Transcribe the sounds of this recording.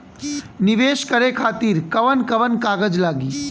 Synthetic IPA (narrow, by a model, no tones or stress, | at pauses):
nɪʋeːʃkəɾekʰaːt̪iːɾkɐʋənkɐʋənkaːɡəd͡ʒlaːɡiː